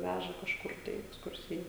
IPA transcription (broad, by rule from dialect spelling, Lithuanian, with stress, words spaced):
ˈʋʲæʒɐ kɐʃˈkʊr tɐɪ ɪ ɛksˈkʊrʲsʲɪjɛ